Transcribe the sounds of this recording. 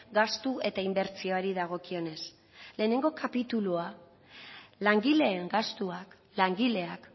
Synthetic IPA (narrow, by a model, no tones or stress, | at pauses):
ɡast̪ue̞t̪aimbe̞ɾt͡sio̞aɾiðaɣ̞o̞kio̞ne̞s | le̞ːne̞ŋɡo̞kʰapit̪ulua | laŋɡile̞ːŋɡast̪uak | laŋɡile̞ak